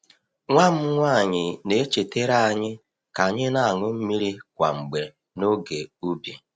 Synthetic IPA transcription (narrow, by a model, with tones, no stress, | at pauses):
ŋʷa˦m̩˦ŋʷa˦˨ɲɪ˨ne˦t͡ʃe˨te˦ɾa˦a˨ɲɪ˦ | ka˨ɲɪ˦na˦˨a˨ŋʊ˦m̩˦mi˦ɾi˦kʷa̰˨ŋ͡m̩˨ɡ͡be˨ | no˦ɡe˨u˦bi˨